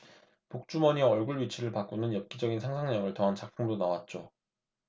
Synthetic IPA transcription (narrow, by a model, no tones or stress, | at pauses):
pok̚t͡ɕ͈umʌɲiʌɭɡuɭɥit͡ɕʰiɾɯɭpak͈̚onɯnjʌp̚k͈id͡ʑʌɡinsʰaŋsʰaŋɲʌŋɯɭtʌɦant͡ɕak̚pʰuŋdonawat̚t͡ɕ͈o